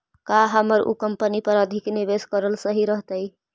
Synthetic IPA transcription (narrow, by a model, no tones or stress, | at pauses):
kaɦəməɾʔṵkəmpənipəɾəd̪ʱikniβeskəɾəlsəɦiɾəɦt̪əj